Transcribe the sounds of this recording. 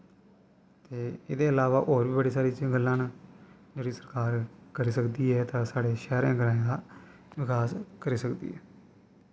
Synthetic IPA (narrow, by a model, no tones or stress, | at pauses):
t̪eːɪd̪eːəlaːʋaːʔoːɾbiːbəɽiːsaːɾiːt͡ʃĩɡəlːãːn | d͡ʒeːɽiːsəɾkaːɾkəɾiːsəkd̪iːɛːt̪ãːsaːɽeːʃɛːɾẽːɡəɾaːẽːd̪aː | ʋɪkʰaːskəɾiːsəkd̪ḭːɛː